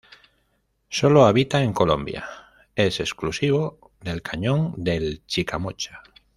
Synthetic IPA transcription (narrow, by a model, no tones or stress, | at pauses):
soloaβit̪aeŋko̞lo̞̰mbja̰ | e̞se̞sklusiβ̞o | ðe̞lkʰaɲõŋd̪e̞lt͡ʃikamot͡ʃḁ